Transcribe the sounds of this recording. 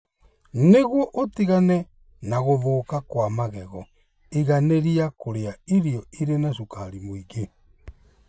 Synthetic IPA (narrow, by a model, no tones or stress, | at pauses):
neɣwɔʔotiɣanɛ | naɣoβoːkakwamaɣɛɣɔ | iɣaneɾiakoɾeaiɾiɔiɾenaʃukaɾimoiɡe